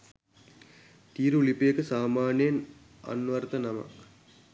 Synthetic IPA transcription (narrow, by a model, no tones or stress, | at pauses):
t̪iːɾulipejekəsaːmaːnejn | a̰nːʋart̪ənama̰k